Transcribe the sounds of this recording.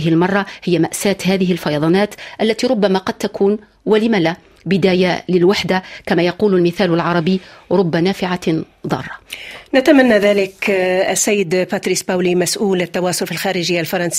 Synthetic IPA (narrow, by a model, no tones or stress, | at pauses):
ɪɦɪlmɑrˤːɑhɪjːamaʔsaːt̪haːðɪɦɪlfɑjɑðˤɑnaːt̪ʔalːat̪iɾˤʊbːamaqɑd̪̚t̪akʰuːn | walɪmala | bɪd̪aːjalɪlwaħd̪akamaːjɑquːlalmɪθaːlalʕɑɾˤɑbɪjɾˤʊbːanaːfɪʕa | ðˤɑ̰ːrˤːɑnat̪amanːaðaːlɪkasːajːɪd̪paːt̪ɾiːsbaːwlimasʔuːlɪt̪ːɑwɑːsʊlfilxaːɾɪʒɪjːalfɑɾˤɑnsi